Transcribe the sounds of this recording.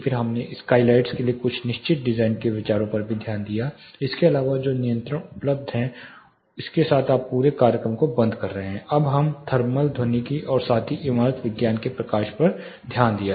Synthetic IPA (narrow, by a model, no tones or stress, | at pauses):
fʰɪɾɦɐmneskaːɪlaːɪʈskeliekʊt͡ʃʰnɪʃt͡ʃɪt̪̚ɖɪzaːɪnkeʋɪt͡ʃaːɾõpɐɾbʱid̪ʱjaːnd̪ija | ɪskeɐlaːʋad͡ʒoːnɪjə̃nt̪ɾəɽʊpləb̚d̪ʱɦɛ̃ | ʊskesaːt̪ʰaːpːuːɾekaːɾjəkɾəmkobɐ̃nd̪kɐɾːɐɦeɦɛ̃ɐbɦɐmt̪ʰɐɾməld̪ʱonikiʔɔːɾsaːt̪ʰiʔɪmaːɾət̪ʋɪɡjaːnkepɾɐkaːʃpɐɾ | d̪ʱjaːnd̪ija